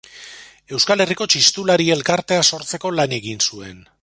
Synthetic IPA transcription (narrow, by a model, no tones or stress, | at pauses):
e̞wskale̞riko̞t͡ʃist̪ulaɾie̞lkaɾt̪e̞aso̞ɾt͡se̞ko̞lane̞ɣinsue̞n